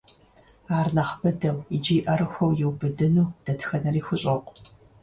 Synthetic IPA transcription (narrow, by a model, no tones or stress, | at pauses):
aːrnɐχbɐdɐwid͡ʒiːʔɐɾɨxʷɐwjɛwbɨdɨnuːd̥ɐtxɐnɐriːxʷʊɕʼɐqʷʼ